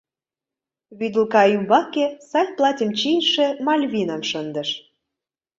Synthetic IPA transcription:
βyd̪əlkɑymbɑkesɑlʲplˠɑtʲə̆mt͡ɕinʃĕmɑlʲβʲinəmʃənd̪ə̆ʃ

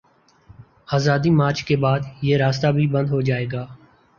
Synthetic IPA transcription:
aːzaːd̪iːmaːɾt͡ʃʰkeːbaːd̪jeːɾaːst̪aːbʱiːbə̃nd̪ɦoːd͡ʒaːeːɡaː

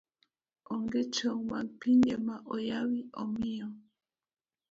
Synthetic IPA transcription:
ɔŋɡɛt͡ʃɔŋmaŋpiɲɛmaʔɔjawiɔmiɔ

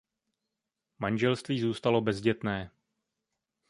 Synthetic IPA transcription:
manʒɛlst̪viːzuːst̪alo̞bɛzɟɛt̪nɛː

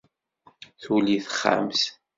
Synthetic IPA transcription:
θuliθə̥χːa̰ms

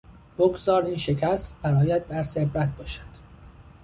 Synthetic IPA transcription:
b̥oɡzɒːɾiːnʃe̞cʰæst̪bæɾɒːjæd̪̚ːæɾsebɾæt̪̚ʰbɒːʃæ̥d̪̥

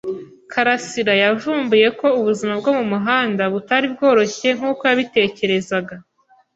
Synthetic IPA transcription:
kʰaɾasiɾajavuːmbuje̞ko̞uβuzimabɡo̞mumuɦaːndaβutaɾibɡo̞ːɾo̞çe̞ŋ̥uːko̞jaβite̞ːce̞ɾe̞zaɡa

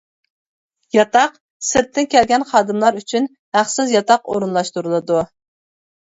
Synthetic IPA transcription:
jɑt̪ɑq | sɨɾt̪ʰːɪnkʲɛlɡʲɛnχɑːd̪ɨmlˠɑɾyt͡ʃʰyn | hæχsɪzjɑt̪ɑqo̰ɾunlˠɑʃt̪uɾɨlˠɨd̪u

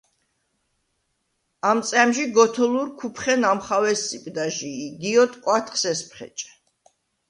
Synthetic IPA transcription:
amt̪sʼɛmʃiɡɔt̪ʰɔlˠuɾkʰupʰχɛnamχawɛsːʼipʼd̪aʒiːɡiɔt̪ʼkʼwat̪ʰχsɛspʰχɛ̰t͡ʃʼɛ̥

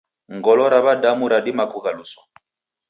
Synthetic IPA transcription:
ŋɡɔlɔɾaβadamuɾadimakuɣalusɔ̥

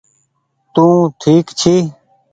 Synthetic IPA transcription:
t̪ũːʈʰiːkt͡ɕʰiː

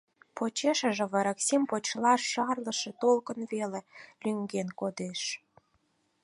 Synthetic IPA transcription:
pot͡ɕeʃə̆ʒĕβəɾəksimpot͡ɕlɑʃːɑrləʃet̪olkənβelelʲyŋɡenkod̪eʃ

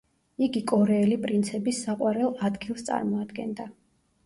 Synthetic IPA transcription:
iɡikʼɔɾɛːlipʼɾint̪sʰɛbisːaqʼwaɾɛlˠad̪ɡilˠst̪sʼa̰ɾmɔad̪ɡɛ̰nd̪a

